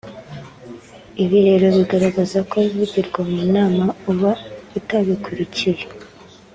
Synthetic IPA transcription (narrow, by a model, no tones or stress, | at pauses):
iβiɾe̞ɾo̞βiɡaɾaɡazako̞βivuɟiɾɡwamuːnaːmauβautaβikʰuɾiciɾe